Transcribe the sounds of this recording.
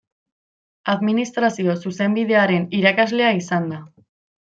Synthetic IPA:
aðminist̪ɾasio̞suse̞mbiðe̞aɾe̞niɾakazle̞aisand̪a

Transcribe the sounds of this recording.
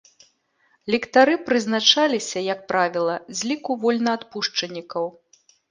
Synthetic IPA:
lʲɛkt̪aɾɨpɾɨznat͡ʂalʲisʲɐjɐk̚pɾavʲilˠɐzʲlʲikuvɔlʲnɐːt̪puʂt͡ʂɐnʲːikɐw

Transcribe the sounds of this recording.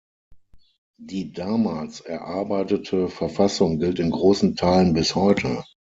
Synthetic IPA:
d̥iːdaːmaːlsɛɐʔaɐbaɪtətʰəfɛɐfasʊŋɡɪltɪnɡʁoːsn̩tʰaɪlənbɪshɔʏtʰə̰

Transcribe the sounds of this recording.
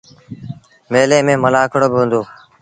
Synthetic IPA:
meːlẽːmẽːməlaːkʰəɽoːbɪɦə̃nd̪oː

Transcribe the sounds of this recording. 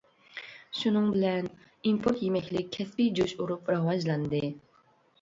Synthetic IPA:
ʃunɨŋbɪlɛn | impʰoɾt̪jemɛkʲlɪk̚ʲkʲʰːɛspid͡ʒuʃuɾupɾɑwɑd͡ʒlˠɑnd̪ɨ

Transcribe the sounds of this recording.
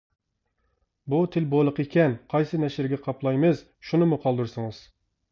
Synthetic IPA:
but̪ʰɪlbolˠəqekʲɛnqʰɑjsɨnɛʃɪɾɡʲɛqʰɑplˠɑjmɨz̥ | ʃunɨmuqʰɑlˠd̪uɾsɨŋɨz̥

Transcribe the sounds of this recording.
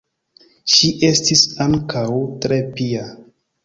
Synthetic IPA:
ʃiʔe̞stisaŋkawtɾepia

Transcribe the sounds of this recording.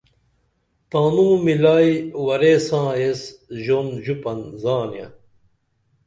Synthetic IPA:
t̪aːnũːmilaːjwɐɾeːsãːesʑonʑupɐnzaːnjã̰

